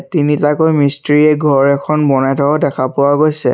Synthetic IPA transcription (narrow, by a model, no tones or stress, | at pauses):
tinitakojmistɹiɛɡʱɔɹɛkʰɔnbɔnatɔɔdɛkʰapʊwaɡojsɛ̰